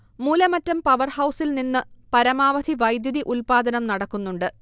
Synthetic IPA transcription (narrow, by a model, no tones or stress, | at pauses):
muːlɐmɐtːɐmpɐʋɐrhɐwsilninːɨpɐɾɐmaːʋɐd̪ʱiʋɐjd̪juðiʔulpaːd̪ɐnɐmnɐɽɐkːunːuɳɖɨ